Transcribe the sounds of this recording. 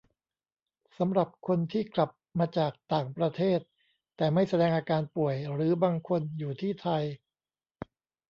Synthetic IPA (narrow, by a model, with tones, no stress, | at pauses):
sa˩˦mɾa˨˩p̚kʰo˧nt̪ʰiː˥˩kla˨˩p̚maː˧t͡ɕaː˨˩k̚t̪aː˨˩ŋpɾa˧t̪ʰeː˥˩t̪̚ː | ɛː˨˩ma˥˩jsa˧dɛː˧ŋʔaː˧kaː˧npu˨˩əjɾɯː˩˦baː˧ŋkʰo˧njuː˨˩t̪ʰiː˥˩t̪ʰa˧j